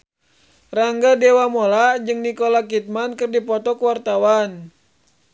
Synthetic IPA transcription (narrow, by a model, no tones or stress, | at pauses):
raŋɡadewamolad͡ʒɨŋnikolakit̪̚mankɨrdipɔt̪ɔkuwart̪awan